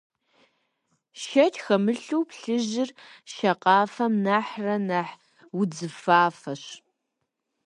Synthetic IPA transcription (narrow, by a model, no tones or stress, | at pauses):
ʃɐtʰxɐmɨɬuwpɬɨʑɪrʃɐqɑːfɐmnaːħrɐnaħ | wʊd͡zɨfaːfɐɕ